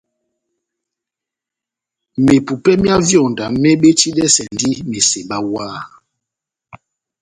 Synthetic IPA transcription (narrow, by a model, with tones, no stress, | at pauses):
me˨pu˨pɛ˦mja˦vjɔ˦˨nda˨mɛ˦ɓe˦t͡ʃi˦dɛ˦sɛ˨n˦di˦me˨se˨ɓa˦waː˦˨